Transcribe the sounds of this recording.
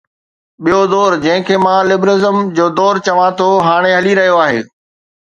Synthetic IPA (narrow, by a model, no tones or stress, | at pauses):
ɓijod̪ɔːɾd͡ʑɐ̃ɦɪ̃kʰeːmãlɪbɾɪzəmd͡ʑoːd̪ɔːɾt͡ɕɐʋãt̪ʰoɦaːɽ̃eɦɐliɾɐɦijoaːɦḛː